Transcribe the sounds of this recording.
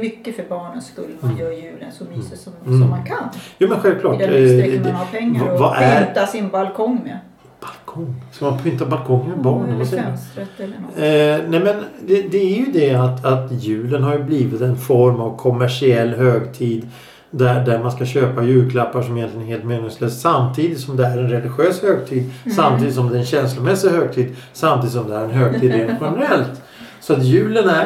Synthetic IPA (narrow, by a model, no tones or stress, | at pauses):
mʏkːəfœɾbɑːɳənskɵlːəmmanjœːɾjʉ̟ːlənsɔmisəsɔsɔmːankʰanjuːmɛnɧɛlvkʰlɑːʈ̪ː | pʰɛŋːavaʔæt̪asɪnbalkʰɔŋː | b̥alkʰɔŋːsɔmanpʰːʏnt̪abalkʰɔŋːəmɛbɑːɳəassɛɛlːnnɛmɛnd̪ɛd̪ɛæɾjɵd̪ɛat̪at̪jʉ̟ːlənɦaɾjɵbliːvɪt̪ɛnfɔɾmavkʰɔmæʂɪɛlːɦøːɡt̪ʰiːd̪ | d̪æɖæɾmanskaɕøːpajʉ̟ːlkʰlapːaʂɔmɪjɛnt̪lɪənheːlt̪mɛːnəsløːssamt̪ʰiːd̪ɪt̪sɔmd̪ɛæɾɛnɾɛlɪɧøːshøːɡt̪ʰiːd̪samt̪ʰiːd̪ɪt̪sɔmd̪ɛɛnɕɛnslʊmɛsːɪhøːɡ̚t̪ʰiːd̪samt̪ʰiːd̪ɪt̪sɔmd̪ɛæɾɛnɦøːɡt̪ʰiːd̪ɾeɛɧɛnɛɾɛlt̪ | sɔat̪jʉ̟ːlənæ